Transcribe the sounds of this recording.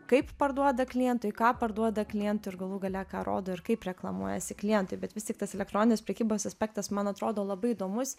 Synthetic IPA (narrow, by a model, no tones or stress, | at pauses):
kɐɪppɐɾd̪uɔd̪ɐklʲɪjɛnt̪ʊjkɑːpɐɾd̪uɔd̪ɐklʲɪjɛnt̪ʊːɪɾɡɐlˠuːɡɐlʲɛkɑ̰ːɾʔo̰ːd̪oːɪɾkɐɪpɾʲɛklˠɐmuɔjɛsʲɪklʲɪjɛnt̪ʊɪbʲɛt̪ʋʲɪst̪ʲiɛk̚t̪ɐsɛlʲɛkt̪ɾoːnʲɪnʲespʲɾʲɛkʲiːboːsɐsʲpʲæːk̚t̪ɐsmɐnɐt̪ɾoːd̪oːlˠɐbɐɪid̪oːmʊs